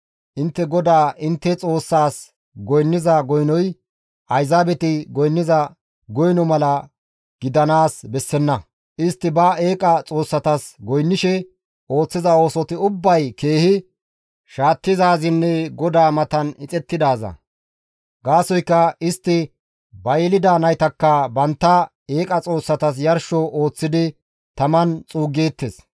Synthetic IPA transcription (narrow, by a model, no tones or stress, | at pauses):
ʔɪnt̪ːɛɡɔd̪aːʔɪnt̪ːɛt͡sʼo̞ːsːaːs | ɡɔjnːɪzɐɡɔjnɔj | ʔɐjzaːbɛt̪ɪɡɔjnːɪzɐ | ɡɔjnɔmɐlɐ | ɡ̥ɪd̪ɐnaːsbɛsːɛnːɐ | ʔɪst̪ːɪbɐe̞ːkʼɐt͡sʼo̞ːsːɐt̪ɐsɡɔjnːɪʃɛ | o̞ːt͡sːɪzɐo̞ːsɔt̪ɪʊbːɐjke̞ːhɪ | ʃaːt̪ːɪzaːzɪnːɛɡɔd̪aːmɐt̪ɐnɪt͡sʼɛt̪ːɪd̪aːzɐ̰ | ɡaːsɔjkːɐɪst̪ːɪ | bɐjɪlɪd̪aːnɐjt̪ɐkːɐbɐnt̪ːɐ | eːkʼɐt͡sʼo̞ːsːɐt̪ɐs̬jɐɾʃɔʔo̞ːt͡sːɪd̪ɪ | t̪ɐmɐnt͡sʼuːɡeːt̪ːes